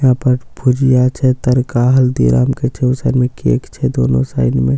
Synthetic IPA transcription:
ɦãːpəɾbʰʱʊd͡ʒijat͡ʃʰɛt̪ɐɾkaɦɐld̪ḭːɾa̰ːmket͡ʃʰɛʊsəɾmẽkiḛːkt͡ʃʰɛd̪oːnõ̰sa̰ːɪnmẽ

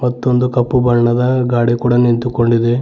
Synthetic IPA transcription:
mɐt̪ːo̞nd̪ukɐpːubɐɳɳɐd̪ɐɡaːɽikuːɽɐnint̪uko̞ɳɖid̪e

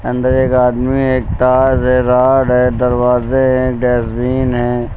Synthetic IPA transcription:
ɐ̃nd̪əɾeːkaːd̪mieːk̚t̪aːzɦɛɾaːɖɦɛd̪ɐɾwaːzeɦɛ̃kɖɛːsbiːnɦɛ̃ː

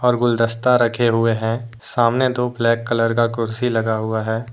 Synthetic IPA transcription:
ɔːɾɡʊld̪əst̪aɾɐkʰeɦʊeɦɛ̃ | saːmnet̪oblɛːkːələɾkakʊɾsilɐɡaɦʊaɦɛː

